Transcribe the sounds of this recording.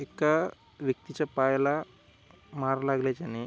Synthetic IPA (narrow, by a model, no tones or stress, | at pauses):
ekːa | ʋjɐk̚t̪it͡ʃɐpaːjla | maːɾɐlaːɡlet͡ʃani